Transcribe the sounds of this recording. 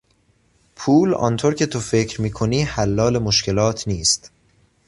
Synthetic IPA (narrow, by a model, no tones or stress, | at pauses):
pʰuːlɒ̰ːnt̪ʰoɾcʰe̞t̪ʰofe̞cʰɾmiːkʰoniːhælːɒːle̞moʃkcʰe̞lɒːt̪ʰniːst̪